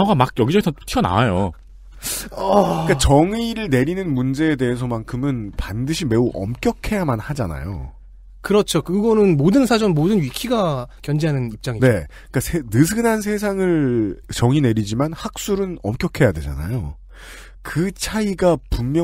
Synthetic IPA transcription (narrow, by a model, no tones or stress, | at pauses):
ɡamak̚jʌɡid͡ʑʌɡitʰʌtʰiʌna̰wajo̰ | ʌk͈at͡ɕʌŋiɾɯɭne̞ɾinɯnmund͡ʑe̞ːde̞ɦesʰʌmankʰɯmɯnpandɯɕʰime̞uʔʌ̰mk͈jʌkʰe̞jamanhad͡ʑana̰jo̰ | kɯɾʌt͡ɕʰokɯɡʌnɯnmodɯnsʰad͡ʑʌnmodɯnɥikʰiɡakjʌnd͡ʑeɦanɯnip̚t͡ɕ͈aŋine̞ | k͈asʰenɯsʰɯnans̬ʰe̞s̬ʰaŋɯɭt͡ɕʌŋine̞ɾid͡ʑimanhak̚s͈uɾɯnʌmk͈jʌkʰe̞jadwe̞d͡ʑa̰na̰jo | kɯt͡ɕʰaiɡapummjʌ